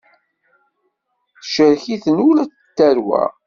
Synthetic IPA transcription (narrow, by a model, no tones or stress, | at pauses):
θʃəɾçiθənulæt͡s | t̪ːæɾwæ̰